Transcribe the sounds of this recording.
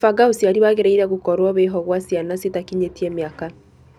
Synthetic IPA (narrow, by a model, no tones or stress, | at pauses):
faɡaosiaɾiβaɣeɾaiɾɛɣukɔɾwɔβeɦɔɣwasianasetakiɲetiɛmeaka